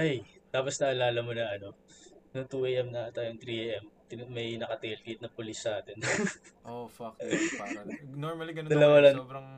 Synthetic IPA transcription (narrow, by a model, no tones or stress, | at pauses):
ʔɐjt̪aːposnɐʔɐlaːlɐmonɐʔɐno̞nʊŋt̪uːʔejʔɛmnɐt̪aːjoŋt̪ɾiːʔejʔɛmt̪ɪmɐjnɐkɐt̪ɛjlkit̪̚nɐpʊlisːaːt̪ɛnʔofɐk | noɾmɐliɡɐnod̪ɐlɐwalɐbɾɐŋ